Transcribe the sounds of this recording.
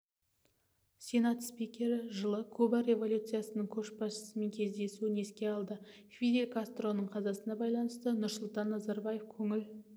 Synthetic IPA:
sʲe̞nɑt̪spikʲe̞ɾɪʒəlˠəkʰɵbɑɾʲe̞vo̞lʲut̪sɨjasənəɴkʲʰɵʃbɑsʃə̥səme̞ŋkʲʰe̞zd̪e̞suɪne̞skʲe̞ɑlˠd̪ə | fʲid̪e̞lʲkast̪ro̞nəɴqʰɑzɑsənɑbɑjlˠɑnəst̪ənʊɾsʊlˠt̪ɑnːɑzɑɾbajefkʲʰɵŋɪl

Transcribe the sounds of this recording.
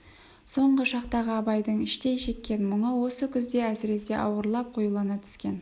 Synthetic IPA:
so̞ɴʁəʃɑqt̪ɑʁəɑbɑjd̪əɴɪʃt̪e̞jʃe̞kʲːe̞nmʊɴəwo̞səkʲʰʏzd̪e̞æsɪɾe̞se̞ʔɑwəɾlˠɑp̚qʰojulˠɑnɑt̪ʰʏ̥skʲe̞n

